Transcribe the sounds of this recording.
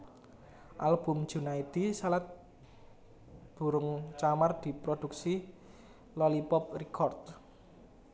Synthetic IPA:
ʔalb̥ṳmd̥ʒ̥ṳnait̪isalat̪̚ | b̥ṳɾʊŋt͡ʃamard̪̥i̤pɾod̪̥ṳksi | lɔlipɔp̚rikʰɔrt̪̚

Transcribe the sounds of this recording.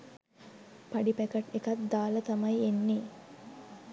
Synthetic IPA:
paɖipækɐʈekat̪̚d̪aːlət̪ɐmɐjenːeː

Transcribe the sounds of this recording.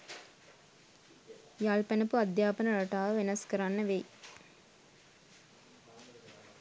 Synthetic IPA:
jaːlpɐnɐpuɐd̪jaːpɐnɐɾɐʈaːʋɐʋenɐskɐɾaːnːɐʋej

